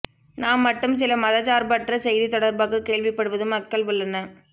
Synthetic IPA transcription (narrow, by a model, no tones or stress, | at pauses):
naːmːɐʈːɯms̬ɪlɐmɐðɐt͡ʃaːɾbaːʈːrɐsɛjðit̪ɔɽɐɾbaːɣɯkeːɭʋɪpːɐɽɯʋɐðɯmɐkːɐɭʋʊɭːɐnɐ